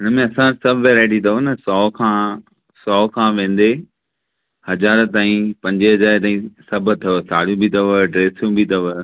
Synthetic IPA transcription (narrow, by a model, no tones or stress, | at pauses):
ɪnəmẽɐsãsɐbʱʋeːɾaːɪʈ̬it̪ʰɐɦonɐsɔːkʰãː | sɔːkʰãːʋẽːn̆d̪e | hɐzaːɾt̪aːĩpɐ̃ɲd͡ʑeɦɐzaːɾt̪aːĩsɐb̆ʱt̪ʰɐosaːɽ̤ijũbʱit̪ɐʋəɖɾeːsijũbʱit̪ɐʋə